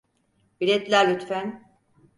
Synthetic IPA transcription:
biɾɛt̪lʲæɾlʲyt̪fæn

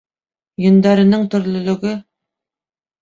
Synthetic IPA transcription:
jɵ̆nd̪ɑɾɤ̆nɤɴt̪ɵ̆ɾlɵ̆lɵ̆ɡɵ

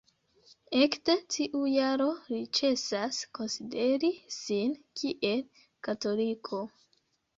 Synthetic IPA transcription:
e̞kte̞tʰiʔujaɾo̞ɾit͡ʃe̞sasko̞nside̞ɾisinkʰiʔe̞l | kato̞likʰo̞

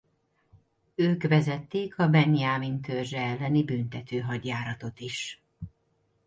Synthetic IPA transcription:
øːkʋɛzɛt̪ːeːkʰɒbɛniaːmint̪ørʒɛɛlːɛnibynt̪ɛt̪øːɦɒɟjaːɾɒt̪o̞t̪iʃ

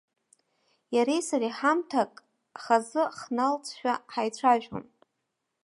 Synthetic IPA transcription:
jaɾejsariħamtʰakʼ | χazɨχnalt͡sʰʃᶣaħajt͡sʷʰaʒᶣo̰n

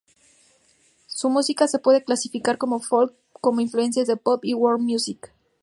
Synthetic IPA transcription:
sumusikase̞pwe̞ðe̞klasifikaɾko̞mo̞folkː | o̞mo̞influe̞nsjazðe̞popiwoɾmjusik

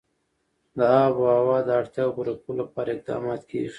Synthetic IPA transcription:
d̪əɑboawɑd̪əaɽt̪jɑbuɾakulapɑɾaɪq̚d̪ɑ̰mɑt̪kʰḛ

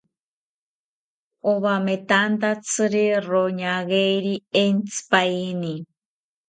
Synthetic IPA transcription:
oβamet̪ant̪at͡sʰɨɾiroɲaɣejɾient͡sʰɨ̥paini

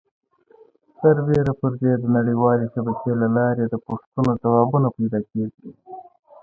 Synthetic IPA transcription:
t̪aɾbeɾapəɾd̪ed̪ənaɽiwɑːlesabakelalɑɾed̪əpʊʂt̪unozawɑːbunapajd̪ɑkeɡi

